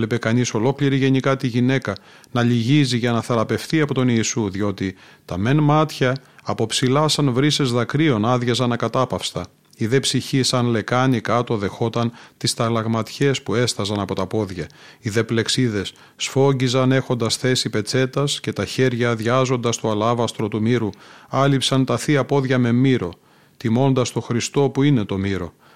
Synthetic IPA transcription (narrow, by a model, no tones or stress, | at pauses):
le̞pe̞kɐniso̞lo̞kliɾiʝe̞nikɐt̪iʝine̞kɐ | nɐʎiʝiziʝɐnɐθɐɾɐpe̞fθiɐpo̞t̪o̞niːsuðʝo̞t̪it̪ɐme̞nmɐt̪çɐːpo̞psilɐsɐnvɾise̞zðɐkɾio̞nɐðʝɐzɐnɐkɐt̪ɐpɐfst̪ɐ | iðe̞psiçisɐnle̞kɐnikɐt̪o̞ðe̞xo̞t̪ɐnt̪ist̪ɐlɐɣmɐt̪çe̞spue̞st̪ɐzɐnɐpo̞t̪ɐpo̞ðʝɐiðe̞ple̞ksiðe̞sː | fo̞ɟizɐne̞xo̞nd̪ɐsθe̞sipe̞t͡se̞t̪ɐsce̞t̪ɐçe̞ɾʝɐðʝɐzo̞nd̪ɐst̪oɐlɐvɐst̪ɾo̞t̪umiɾuɐlipsɐnt̪ɐθiɐpo̞ðʝɐme̞miɾo̞ | t̪imo̞nd̪ɐst̪o̞xɾist̪o̞puine̞t̪o̞miɾo̞